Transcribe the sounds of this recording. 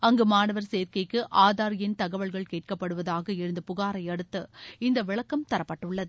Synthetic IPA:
ɐŋɡɯmaːnɐʋɐɾseːɾkɐɪkːɯʔaːðaːɾɪjɪnt̪ɐɣɐʋɐɭɣɐɭkeːʈ̚kɐpːɐɽɯʋɐðaːɣɐɪɻɯnd̪ɐpʊɣaːɾɐɪɐɽɯt̪ːɯɪnd̪ɐʋɪɭɐkːɐmt̪ɐɾɐpːɐʈːɯɭːɐðɯ

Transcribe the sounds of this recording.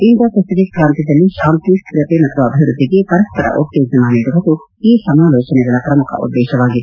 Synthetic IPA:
ind̪ɐpɾɐst̪id̪ikɾaːnt̪id̪ɐlːiʃaːmt̪iʂʈkɾɐt̪emɐt̪ʰʋuɐbʱiʋɾud̪ʱːiɡepɐɾɐspɐɾɐ̰ʔuʈ̪joːɡɐmɐniːɽubɐd̪u | iːsɐmaːloːt͡ʃɐnɛɡɐɭɐpɾɐmukʰɐ̰ʔṵd̪ːeːʃɐʋaːɡit̪e

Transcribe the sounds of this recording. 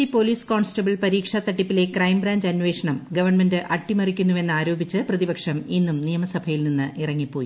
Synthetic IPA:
ipoliːsko̞ːɳsʈɐbɐɭpɐɾiːkʂɐt̪ːɐʈːipːile̞krɐjmbɾaːɲd͡ʑɐnʋe̞ːʂɐɳɐmɡɐʋɐrɳme̞ndɨʔɐʈːimɐrikʲːunːuʋe̞nːɨaːɾo̞ːbʱit͡ɕːɨprɐðibɐkʂɐminːumnijɐmɐsɐbʱɐjilninːɨʔirɐŋːipːoːji

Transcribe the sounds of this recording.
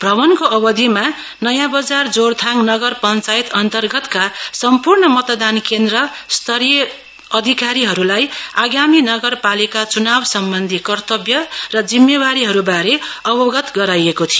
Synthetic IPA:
b̥ʱrʱʌβʌnkoʔʌbʌd̪ʱima | nʌjãbʌd͡zard͡zort̪ʰaŋnʌɡʌrpʌnt͡sait̪ʌnt̪ʌrɡʌt̪kasʌmpurɳʌmʌt̪d̪ankend̪rʌst̪ʰʌɾje | ʌd̪ʱikaɾiɦʌɾulajaɡaminʌɡʌrpalikat͡sunabsʌmbʌnd̪ʱikʌrt̪ʌbjʌrʌd͡zimːjebaɾiɦʌɾubaɾeʌbʌɡʌt̪ɡʌɾajekot̪ʰijo

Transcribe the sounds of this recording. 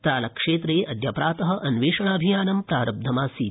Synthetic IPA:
t̪ɾaːlɐkʂeːt̪ɾeːʔɐd̪ʱjɐpɾaːt̪ɐɦɐ̆ʔɐnʋeːʂɐɳaːbʱijaːnɐmpɾaːɾɐb̚d̪ʱɐmaːsiː

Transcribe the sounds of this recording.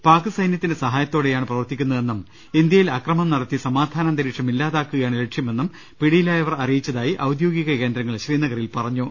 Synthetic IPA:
paːkɨsɐjnjɐt̪ːindesɐɦaːjɐt̪ːo̞ːɽe̞jaːɳɨprɐʋɐrt̪ikʲːunːɐðe̞nːum | ind̪jɐjilɐkrɐmɐmnɐɽɐt̪ːisɐmaːd̪ʱaːnɐnd̪ɐɾiːʈʂɐmilːaːðaːkːuɣɐjaːɳɨle̞ʈʂjɐme̞nːum | piɽijilaːjɐʋɐrɐrijit͡ɕːɐðaːjiʔɐwd̪jo̞ːɡiɣɐke̞ːnd̪ɾɐŋːɐɭɕriːnɐɣɐrilpɐrɐɲːu

